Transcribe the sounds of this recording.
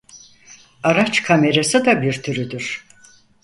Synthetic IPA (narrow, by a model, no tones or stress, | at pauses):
aɾat͡ʃkʰame̞ɾasɯd̪abiɾt̪ʰyɾyd̪yɾ̥